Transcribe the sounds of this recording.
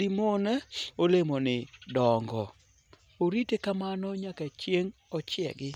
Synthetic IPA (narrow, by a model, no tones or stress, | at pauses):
imonɛolemonɪdɔŋɡɔ | oɾitekamanɔɲakat͡ʃjeŋ | ɔt͡ʃɪɛ̰ɡɪ